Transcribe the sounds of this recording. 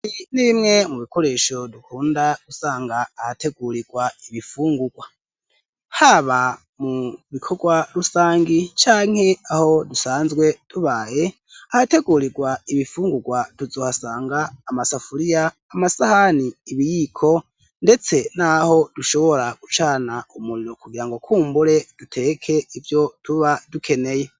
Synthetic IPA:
iniβimŋe̞muβikʰo̞ɾe̞ʃo̞dukʰuːndaɡ̥usaːŋɡaːhate̞ɡuɾiɡ̥waiβifuːŋɡuɡ̥wa | haβa | muβikʰo̞ɡwaɾusaːŋɡit͡ʃaːŋ̥he̞aho̞dusaːnzɡwe̞tuβaːje̞ | ahate̞ɡuɾiɡwaiβifuːŋɡuɡwatuzoːhasaːŋɡaːmasafuɾijaː | masahaniːβijikʰo̞ | nde̞t͡se̞naho̞d̥uʃo̞βo̞ɾaɡ̥ut͡ʃaːnaumuɾiɾokuɡiɾaŋɡo̞kʰuːmbuɾe̞d̥utʰe̞kʰe̞ivjo̞tuβadukʰe̞ne̞je̞

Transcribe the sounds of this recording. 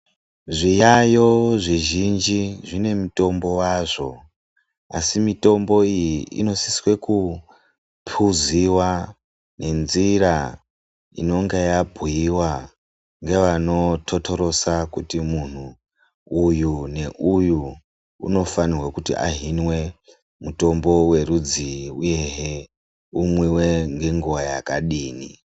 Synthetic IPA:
ʐijajo̞ʐiʒind͡ʒiʐine̞muto̞mbo̞waʐo̞ | a̰simito̞mbo̞ijiḭno̞siswe̞ku | pʰuziwa | ne̞nziɾa | ḭno̞ŋɡejabʱujiwa | ŋɡe̞ʋano̞tʰo̞tʰo̞ɾo̞sakutimun̤uː | june̞ʔuju | ṵno̞fanirwakutiʔa̰ɦinwe̞ | muto̞mbo̞we̞rud͡ziuje̞ɦe | umwiwe̞ŋɡe̞ŋɡuwajakaɗiːni

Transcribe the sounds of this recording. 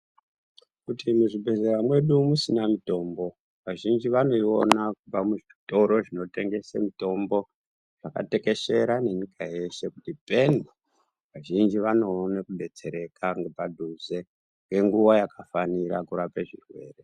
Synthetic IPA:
kutimuʐibʱe̞zeɾamwe̞ɗumusinamito̞ːmbo̞ | ʋaʒind͡ʒiʋano̞io̞nakupamuʐito̞ɾo̞ʐino̞te̞ŋɡe̞semito̞mbo̞ | ʐ̥aka̰te̞ke̞ʃe̞ɾane̞ɲikaje̞se̞kutipeni | ʋaʒind͡ʒiʋano̞nekuɓe̞t͡se̞ɾe̞kaŋɡepadʱuze | ŋɡe̞ŋɡuwajakafaniɾakuɾapeʐirwe̞̰ːre̞

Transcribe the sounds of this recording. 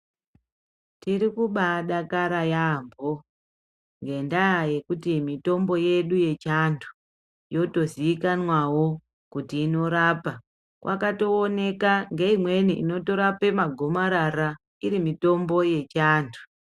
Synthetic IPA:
tirikuɓaɗakaɾajambo | ŋɡe̞ndajaje̞kutimito̞mbo̞je̞ɗuje̞t͡ʃandʰu̥ | jo̞to̞ziikanwawo̞ | kutiːno̞ɾaːpa | kwʔa̰kato̞ːne̞kaŋɡe̞imwe̞niʔino̞to̞ɾape̞maɡʱo̞maɾaɾa | iɾimito̞mbo̞je̞t͡ʃaːndʰu̥

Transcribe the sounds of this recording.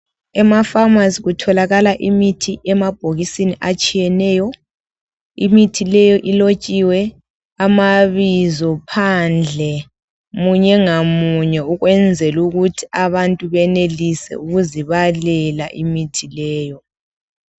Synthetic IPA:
ɛmafamaziɣutʰɔlaɣalaʔimitʰiʔɛmab̥̚ʱoɣisiniʔat͡ʃʼijɛnɛːjɔ | imitʰilɛjɔʔilot͡ʃʼiwɛ | amaβizɔpʰand͡ɮʱɛ | muɲɛŋamuɲɛuɣwɛnd͡zʱɛluɣutʰi̥aβantʼuβɛnelisɛ̰uɣuziβalɛlaʔimitʰilɛːjɔ

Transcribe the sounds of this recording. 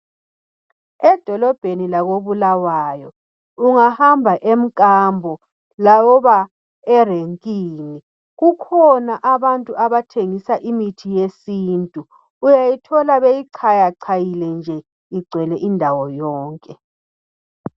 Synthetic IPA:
ɛd̥ʱɔlɔb̥ʱenilaɣoβulawajɔ | uŋahambʱaʔem̩kʼambʱɔ | lawɔβa | ɛreŋkʼiːni | ɣukʰɔnaʔaβantʼuʔaβatʰeŋisaʔimitʰijesiːntʼuː | jajitʰɔlaβejiǀʰajaǀʰajilɛnd͡ʒʱɛ | iɡ͡ǀʱwɛlɛʔindʱawɔjɔːŋkʼɛ

